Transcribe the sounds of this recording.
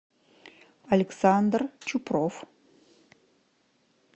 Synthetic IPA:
ɐlʲɪksand̪rt͡ɕʰuprof

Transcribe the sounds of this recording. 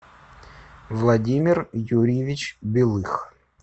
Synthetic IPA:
vlˠɐdʲimʲɪrjuɾʲɪjɪvʲɪt͡ɕbʲɪlˠɨx

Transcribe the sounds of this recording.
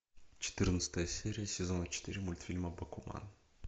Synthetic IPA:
t͡ɕɪ̥t̪ɨrnət̪sə̥t̪əjəsʲeɾʲɪjəsʲɪzo̞nət͡ɕɪ̥t̪iɾʲɪmulʲt̪fʲilʲməbɐkʊma̰n

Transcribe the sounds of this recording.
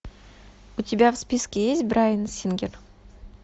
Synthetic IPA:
ʊt̪ʲibʲavspʲiskʲeezʲbʲɪɾajənəsʲeŋɡʲeɾ

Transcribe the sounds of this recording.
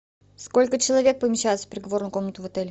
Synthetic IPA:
sko̞lʲkət͡ɕɪlˠɐvʲe̞k̚pəmʲɪɕːæjɪt̪sə̥pɾʲɪɡɐvo̞rnʊjkomnət̪ʊvɐt̪ɛlʲɪ

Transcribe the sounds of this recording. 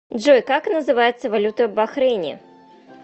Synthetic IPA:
ʐojkaknəzɨvajɛt̪sːəvalʲut̪ɐɐbaxɾɛnʲḭ

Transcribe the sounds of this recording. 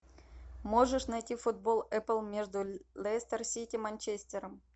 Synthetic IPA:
moʐəʂnɐjtʲifʊd̪̚bolˠɛpəlˠmʲeʐd̪ʊlʲˠest̪ərsʲitʲimɐnʲt͡ɕesʲt̪ʲeɾəm

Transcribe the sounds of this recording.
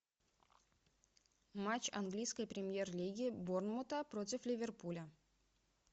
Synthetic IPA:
mat͡ɕɐnɡlʲijskəjpɾʲɪmʲjerlʲiɡʲɪbornmʊt̪əpɾotʲɪflʲɪvʲɪrpulʲə

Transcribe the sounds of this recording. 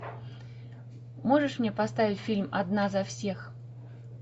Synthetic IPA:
moʐɨʂmnʲepɐst̪avʲɪt͡sʲfʲilʲmɐ̰d̪nazɐfsʲex

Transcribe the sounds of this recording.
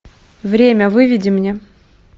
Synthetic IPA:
vɾʲemʲəvɨvʲɪdʲɪmnʲe

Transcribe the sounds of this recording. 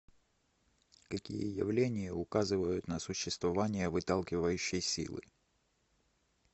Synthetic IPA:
kɐkʲḭjə̰jɪ̰vlʲenʲɪjəʊkazɨvəjʊt̪nəsʊɕːɪst̪vɐvanʲɪjəvɨt̪alˠkʲɪvəjʉɕːɪjsʲḭlˠɨ̰

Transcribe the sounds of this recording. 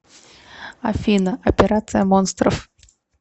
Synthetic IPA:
ɐ̰fʲinəʔɐpʲɪɾat̪sɨjəmonst̪ɾəf

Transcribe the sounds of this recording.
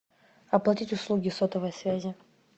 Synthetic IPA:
ɐplˠɐtʲitʲʊslˠuɡʲɪsot̪əvəjsvʲæzʲɪ

